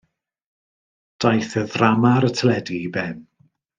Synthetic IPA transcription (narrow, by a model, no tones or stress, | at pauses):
d̥ajθəðramaɾətʰəlɛdibɛn